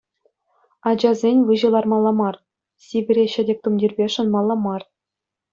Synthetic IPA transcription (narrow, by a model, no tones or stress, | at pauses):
ɑd͡ʑɑzʲenʲʋɯʑɤ̆lˠɑrmɑlˠːɑmɑr | sʲiɡʲɘ̆ɾʲeɕɘ̆dʲek̚ʲt̪umdʲirʲbʲeʂɤ̆nmɑlˠːɑmɑr